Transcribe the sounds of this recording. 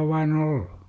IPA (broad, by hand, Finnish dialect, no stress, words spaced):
ow ʋɑin oll̥u̥